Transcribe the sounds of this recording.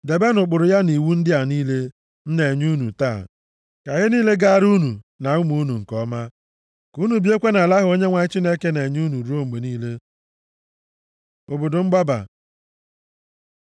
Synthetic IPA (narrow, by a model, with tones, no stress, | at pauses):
de˨be˦nʊ˨k͡pʊ˨ɾʊ˨ja˦ni˨wu˦n̩˦dɪ˦a˨niː˦le˦ | n̩˦ne˨ɲu˦nu˨ta˦˨ | ka˨ɣɪ˦niː˦le˦ɡa˦˨ɾu˦nu˨ | na˨u˦mu˦nu˨ŋ̩˨kɔ˦ma˦ | ku˦nu˨bi˦e˦kʷe˦na˨la˦ɦʊ˨o˦ɲe˦ŋʷa˨ɲɪ˦t͡ʃi˦ne˦ke˦ne˨ɲu˦nu˨ɾu˦o˦ŋ͡m̩˨ɡ͡be˨niː˦le˦ | o˨bʊ˨dʊ˨ŋ͡m̩˦ɡ͡ba˦ba̰˨